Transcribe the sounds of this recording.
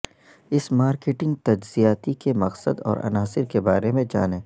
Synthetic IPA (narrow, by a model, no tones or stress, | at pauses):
ɪsmaːɾkeːʈɪ̃ŋɡ̚t̪ɐd͡ʒzijaːt̪ikemɐqsəd̪ɔ̰ːɾʔɐ̰naːsɪɾkebaːɾemẽd͡ʒa̰ːneː